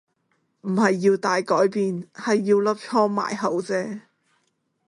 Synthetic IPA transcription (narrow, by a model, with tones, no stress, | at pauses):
m̩˨˩hɐ˨jːiː˧wt̪aː˨jkɔː˨˥jpiː˨nhɐ˨jːiː˧wlɐ˥p̚t͡sʰɔː˥ma̰ː˨˩jɦo˨˥wt͡sɛː˥